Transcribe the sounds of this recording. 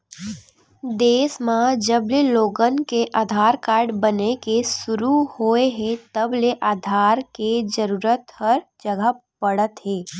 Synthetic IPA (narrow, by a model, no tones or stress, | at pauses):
d̪eːsmãd͡ʒəbleloːɡənkeʔaːd̪ʱaːɾkaːɾɖbənekesʊɾuhoːeɦẽt̪əbleʔaːd̪ʱaːɾked͡ʒəɾuːɾət̪həɾd͡ʒəɡəpəɽət̪ɦeː